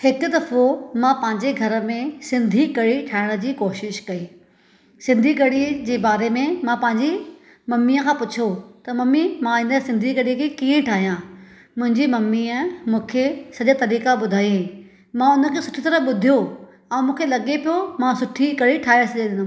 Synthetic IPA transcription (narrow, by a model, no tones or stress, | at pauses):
hɪkʊd̪ɐfomãpɐ̃ɦɪ̃ɲd͡ʑeɡʱɐɾə̆mẽsɪ̃nd̪ʱikɐɽiʈʰaːɪɽ̃d͡ʑiːkoːʃɪʃkɐiː | sɪ̃nd̪ʱiɡɐɽid͡ʑeːbaːɾemẽmãpɐ̃ɦɪ̃ɲd͡ʑi | mɐmːiəkʰãːpʊt͡ɕʰot̪ɐmɐmimãɪ̃nəsɪ̃nd̪ʱiɡɐɽiəkʰekiːə̃ʈʰaːɦijãː | mʊ̃ɦɪ̃ɲd͡ʑimɐmiəmũːkʰesɐʄat̪ɐɾiːkaɓʊd̪ʱaːiẽẽ | mãʊnə̆kʰesʊʈʰit̪ɐɾəfɓʊd̪ʱijo | ɛ̃ːmũːkʰelɐɠepijomãsʊʈʰikɐɽiʈʰaːɪɽsɐd͡ʑed̪ɪ̃nd̪